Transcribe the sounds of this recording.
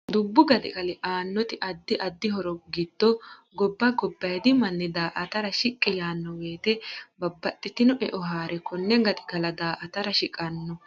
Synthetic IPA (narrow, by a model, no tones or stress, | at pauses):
d̪ʊbːʊɡɐd̪ɪ̰ɡɐlɪʔaːnːɔt̪ɪʔɐd̪ːɪʔɐd̪ːɪɦɔɾɔɡɪd̪̥ːɔɡɔbːɐɡɔbːɐjd̪ɪmɐnːɛd̪aːʔɐt̪ɐɾɐʃɪkʼːɪjaːnːɔweːt̪ɛbɐbːɐt̪ʼːɪt̪ɪnɔʔɛ̰ʔɔɦaːɾɛkɔnːɛɡɐt̪ɪɡɐlɐd̪aːʔɐt̪ɐɾɐʃɪkʼɐnːɔ